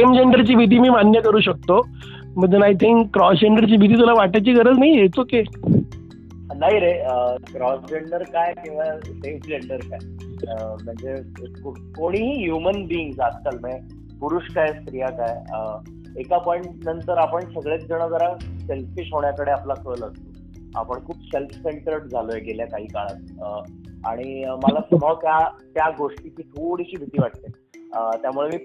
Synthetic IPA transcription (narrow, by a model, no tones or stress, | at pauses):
emd͡ʑeɳɖəɾt͡ɕiːbʱid̪ʱiːmiːmanjəkəɾuːɕək̚t̪o | m̤əd͡zenajt̪ʰiŋkːɾɔsd͡ʑeɳɖəɾt͡ɕiːbʱid̪ʱiːt̪ulaʋaʈajt͡ɕiːɡʱəɾəd͡znaɦijet͡soke | naɦiɾeəkɾɔsd͡ʑeɳɖəɾkajkĩw̃ʋasefd͡ʑeɳɖəɾkaj | əm̤əɳd͡ze | ko | koɽ̃iɦiːɦjumənbiːŋɡsas̚kəlme | puɾuɕkajst̪ɾijakajə | ekapɔjɳʈnənt̪əɾapəɳsəɡɭet͡s̚d͡zəɽ̃əd͡zəɾaselfiʂɦoɳjakəɽeaplakʰəːləɡt̪o | a̰pəɳkʰuːpselfseɳʈɾəʈd͡zʱalojeɡeljakaɦiːkaɭat̪̚əa̰ɽ̃imalasm̤ək̪jat̪jaɡoʂʈit͡ɕiːt̪ʰoɽiɕiːbʱit̪iːʋaʈ̚t̪e | ət̪jamuɭemiː